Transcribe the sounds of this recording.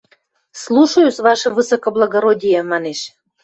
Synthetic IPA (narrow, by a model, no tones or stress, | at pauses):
slˠuʃojusβɑʃɤ̆vɨsokoblˠɑɡoɾodʲijemɑneʃ